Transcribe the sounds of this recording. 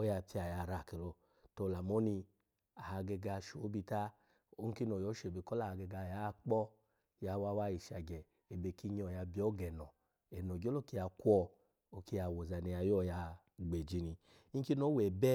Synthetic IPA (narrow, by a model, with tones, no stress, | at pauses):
o˦ja˧˨pi˧a˨ja˧˨ɾa˨kɛ˨lɔ˧ | to˧˨la˨mo˦ni˧ | a˨ha˧ɡɛ˧ɡa˧˨ʃo˨˦bi˧ta˦ | o˦ŋ̩˦ki˦no˨jɔ˨˦ʃe˨be˧˨kɔ˦la˦˨a˧ɡɛ˧ɡa˧˨ja˨˦˧k͡pɔ˦ | ja˧wa˧˦wa˦ji˨ʃa˨ɡɛ˨ | e˨be˧˨ki˦˧˦ɲ˧ɔ˨ja˧bi˧˦ɔ˦ɡɛ˨nɔ˨ | ɛ˨no˨ɡo˦lo˦ki˧ja˧kʷɔ˧ | o˧ki˧ja˧˨wo˨za˨ni˧a˧jɔ˦˨ja˧ | ɡ͡be˨d͡ʒi˧ni˧˦ | ki˦no˨˦wɛ˨bɛ˦